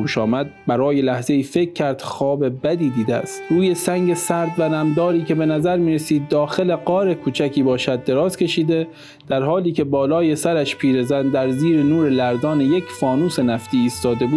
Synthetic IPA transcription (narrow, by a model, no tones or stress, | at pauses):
uːʃɒːmæd̪̚bæɾɒːjelæhze̞iːfe̞kʲʰːæɾd̪̥xɒːbe̞bæd̪iːd̪iːd̪eæ̰st̪ɾuːje̞sæŋɟe̞sæɾd̪vænæmd̪ɒːɾiːkʰʲe̞be̞næzæɾmiːɾesiːd̪ːɒːxe̞le̞ɡɒːɾekʰuːt͡ʃʰækʰiːbɒːʃæd̪̚ːe̞ɾɒːzkʰe̞ʃiːd̪e̞ | d̪̥æɾhɒːliːcʰe̞bɒːlɒːje̞sæɾæʃpʰiːɾezænd̪æɾziːɾenuːɾe̞læɾd̪ɒːneje̞kʰfɒːnuːse̞næft̪iːiːst̪ɒːd̪e̞bu̥ː